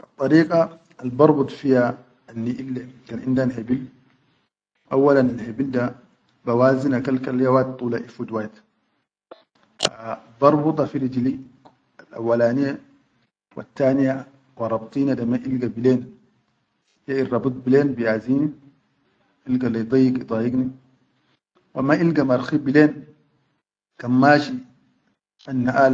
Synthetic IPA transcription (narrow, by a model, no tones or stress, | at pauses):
ʔat̪ˤːɑɾiːkʼaː | lbɑɾˤbut̪ˤfija | anːiʔilːekanʔindanhebil | ʔawːalanalhebilda | bawaːzinakalkaljawat̪̚t̪ˤːuːlaʔifud̪wajt̪ | abɑɾˤbut̪ˤɑfiɾid͡ʒli | alʔa̰wːalaːnija | wa̰t̪ːaːnija | wɑɾˤɑbt̪ˤiːnadamaʔilɡabileːn | jairˤɑbɨt̪̚ˤbileːnbijaːziːni | ʔilɡalid̪ˤɑjːikid̪ˤɑjiɡni | wamaʔilɡamaɾxibileːn | kamːaːʃi | ʔanːaʔaːl